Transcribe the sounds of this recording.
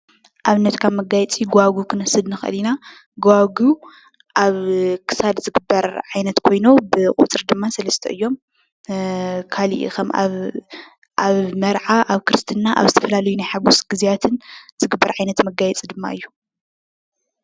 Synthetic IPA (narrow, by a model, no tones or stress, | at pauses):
ʔaβɨnːɐt̪kʰaβmɐɡajɛt͡sʼiɡaɡukʰɨnɐsɨd̪nɨxʔɨ̰lina | ɡoaɡu | ʔaβkʰɨ̥sad̪zɨɡɨbːɐɾʕajnɐt̪kʰo̞jnobɨkʼṵt͡sʼɨɾd̪ɨmːasɐlɐst̪ʰɐʔɨjːo̞m | kʰalḭʔxɐma̰β | ʔaβmɐɾʕaʔaβkʰɨɾɨst̪ʰɨnːaʔa̰βzɨt̪ʰɐfɐlalɐjunajħaɡusɡɨzijat̪ʰɨnz̥ɨɡɨbːɐɾʕajnɐt̪mɐɡajɛt͡sʼid̪ɨmːa̰ɨjːu̥